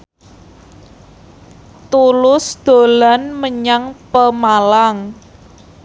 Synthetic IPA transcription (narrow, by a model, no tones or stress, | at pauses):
t̪ulʊsd̪̥o̤lanməɲaŋpəmalaŋ